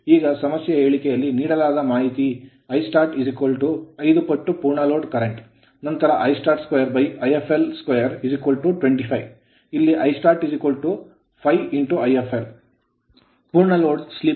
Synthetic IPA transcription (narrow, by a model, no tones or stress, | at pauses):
iːɡɐsɐmɐsjɐɦeːɭikɛjɐlːiniːɽɐlaːd̪ɐmaːɦit̪i | ɐjsʈaːɾʈizikɐlʈuɐjd̪upɐʈːupuːɾɳɐloːɖkɐɾeɳʈ | nɐnt̪ɐɾɐʔɐjsʈaːɾʈskojɐɾbɐjɐjepʰelskʋɐjɐɾizikʋɐlʈuʈʋeɳʈipʰɐj | ilːiʔɐjsʈaːɾʈizikʋɐlʈu | pʰɐjiɳʈuɐjepʰel | puːɾɳɐloːɖslip